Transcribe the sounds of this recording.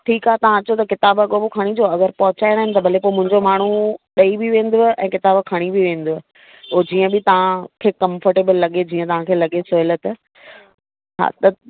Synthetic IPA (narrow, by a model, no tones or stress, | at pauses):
ʈʰiːkaːɦet̪ɐʋ̤ãɐt͡ɕot̪ɐkɪt̪aːbɐɠoːbokʰɐɽ̃id͡ʑoːɐɡəɾpɐɦʊt͡ɕaːɪɽ̃aːɦɪnɪ̆t̪ɐbʱɐlepoːemʊ̃ɦɪ̃ɲd͡ʑomaːɳ̤uɗɐibiʋẽːn̆d̪oʔɛ̃ːkɪt̪aːbkʰɐɽ̃ibiʋẽːnd̪oː | oːd͡ʑiːə̃bɪt̪ɐʋãkʰeːkɐ̃mfəɾʈeːbəlːɐɠed͡ʑiːə̃t̪ɐʋ̤ãkʰeːlɐɠesoɪlət̪ | ɦa̰ːt̪ɐ